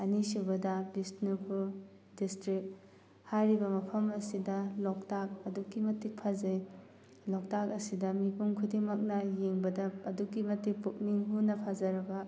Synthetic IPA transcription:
ɐnisubɐdɐbistnupʰu | distɾik̚ | haɾibɐmɐpʰɐmɐsidɐlɔk̚tak̚ɐdukːimɐtːik̚pʰɐzɐj | lɔk̚tak̚ɐsidɐmipʰumkʰudimɐk̚nɐjeŋbɐdɐːdukːimɐtːik̚puk̚niŋɦunɐpʰazɐɾɐɡɐ

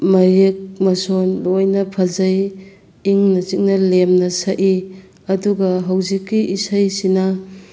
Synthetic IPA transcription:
mɐɾek̚mɐsonlojnɐpʰɐzɐj | iŋnɐzik̚nɐlemnɐsɐʔi | ɐduɡɐɦɐwzikːiʔisɐjsinɐ

